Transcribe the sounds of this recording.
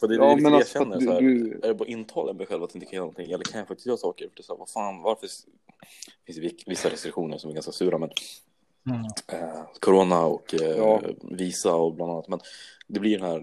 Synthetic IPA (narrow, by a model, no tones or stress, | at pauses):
fœd̪ɛjaɕɛnːəɾsɔhæːɾæɖɛbɑɾaʔɪnːt̪ʰɑːlanmɛd̪ɛɧɛlvat̪ɪnt̪əkʰanœːɾnɔnt̪ʰɪŋːɛlːəɾkʰanjafakt̪ɪst̪jœːɾasɑːkəɾfœʈɛsæːɾvafaːnvaɾfə | fɪnsd̪ɛvɪsːaɾɛst̪ɾɪkɧuːnəɾʂsɔmæɾɡanskasʉːɾamɛn | ɛkʰɔɾoːnaɔk | viːsaɔblananːat̪mɛnd̪ɛblɪɖɛnæːɾ